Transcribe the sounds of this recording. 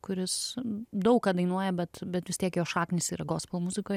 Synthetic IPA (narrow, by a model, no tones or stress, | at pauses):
kʊɾʲɪsd̪ɐʊkɐd̪ɐɪnuɔjɛbʲɛt̪bʲɛt̪ʋʲɪst̪ʲiɛkjoːʃɑːknʲɪsiːɾɐɡoːspoːmʊzʲɪkoːj